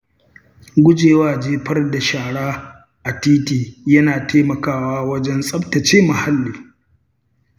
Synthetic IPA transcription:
ɡʷʊ˦d͡ʒeː˨waː˦˨d͡ʒeː˦ɸɐ˦rda˨ʃaː˨ɽaː˦ | ʔa˨tiː˦tiː˨jɐ˦naː˨tʰeː˦mɐ˨kaː˦˨waː˦wɐ˦d͡ʒɛ˦nsʼɐ˦btɐ˨t͡ʃeː˦mɐ˨ha˦lːiː˨

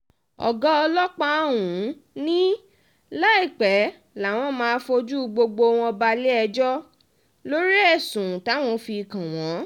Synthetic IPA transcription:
ɔ̰˨ɡɔ˦ɔ˧lɔ˦k͡pa˧˦˨wũ˨˦nĩ˦ | la˦i˦˨k͡pɛ˨˦ | la˨˦w̃ɔ̃˦mãː˧˦fo˧d͡ʒu˦˧ɡ͡bo˧ɡ͡bo˧w̃ɔ̃˧ba˧le˦ɛ˧d͡ʒɔ˦ | lo˦ɾi˦ɛ˦˨sũ˨ta˨˦w̃ɔ̃˧fi˧˨kã˨w̃ɔ̃˨˦

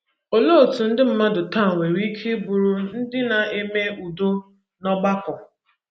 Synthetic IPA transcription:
o˨lo˦o˨tu˨n̩˦dɪ˦m̩˦ma˦dʊ˨ta˦˨ŋʷe˨ɾi˦kʰe˦bʊ˨ɾu˨n̩˦dɪ˦na˨e˦me˦u˨do˦ | nɔ˦ɡ͡ba˦kɔ˨

